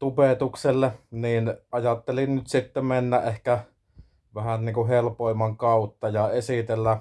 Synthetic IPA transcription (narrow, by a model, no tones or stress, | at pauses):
t̪upet̪ukselːeniːnʔɑjɑt̪ːelinnyt̪sit̪ːemenːæʔʔehkæ | ʋæhænniːŋkuhelpoˑemːɑŋkɑˑut̪ːɑjɑesit̪elːæ